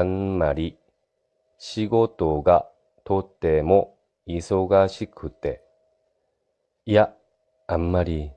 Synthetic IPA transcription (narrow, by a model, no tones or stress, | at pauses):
amːaɾʲi | ɕiɡo̞t̪o̞ɡa | t̪o̞t̪ːe̞mo̞ | iso̞ɡaɕikʰɯ̟t̪e̞ | ija | amːaɾʲi